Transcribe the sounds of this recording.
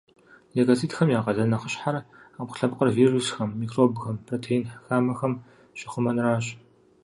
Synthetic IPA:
leɡɐt͡sʰiːtxɐmjaːqɐɮɐnɐχəɕħaraːpqʊ̥ɬɐbqʼərviːrusxɐmːiːkʰroːbxɐmpʰroːtʰejnħxaːmɐxɐm | ɕʼɪχʷʊmɐnraːɕ

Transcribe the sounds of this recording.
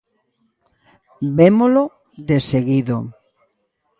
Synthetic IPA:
bemolo | ðeseɣiðo̰

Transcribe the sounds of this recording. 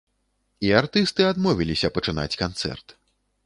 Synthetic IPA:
iart̪ɨst̪ɨad̪mɔvʲilʲisʲɐpɐt͡ʂɨna̰t͡sʲkant̪sɛ̰rt̪

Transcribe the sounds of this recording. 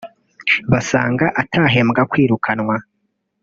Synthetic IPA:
βasaːŋɡaʔatʰaːɦe̞mɡakwiːɾukʰanŋwa

